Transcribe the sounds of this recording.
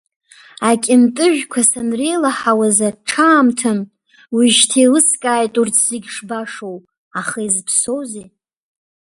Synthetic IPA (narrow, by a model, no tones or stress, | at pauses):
akʲʼɪmtʼɨʒʷᶣkʷʰasanrelaħawazaʈ͡ʂʰaːmtʰɨn | wiʒtʰelɨskʼaːjtʼurt͡sʰz̥ɪɡʲʂbaʂow | aχaizpʰsowze